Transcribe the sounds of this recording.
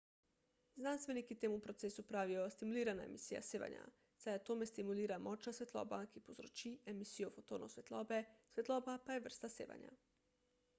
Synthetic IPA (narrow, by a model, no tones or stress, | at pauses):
znanst̪ʋe̞nikit̪eːmupɾot̪seːsupɾaʋijost̪imuliːɾanaḛmisija̰seːʋa̰ɲa̰ | zajat̪omest̪imuliːɾamot͡ʃnasʋet̪lˠo̰ːbakipozɾot͡ʃiemisijofot̪oːnosʋet̪lˠobesʋet̪lˠoːbapajeʋr̩st̪aseːʋa̰ɲa̰